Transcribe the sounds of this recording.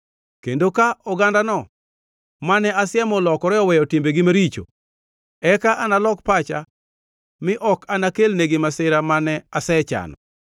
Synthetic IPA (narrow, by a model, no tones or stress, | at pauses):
kendokaɔɡandanɔ | manɛasjɛmɔlɔkɔɾɛɔwɛjɔtimbeɡɪmaɾit͡ʃo̰ | ɛkaʔanalɔkpat͡ʃa | mɪʔɔkanakelneɡɪmasɪɾamanɛasɛt͡ʃa̰nɔ̰